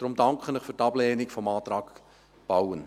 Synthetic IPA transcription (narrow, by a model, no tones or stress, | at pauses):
d̥ɾʊmd̥ɑŋkχənɪχfyɾtɑb̥leːnɪkfɔmɑːt̪ɾɑːk | b̥awən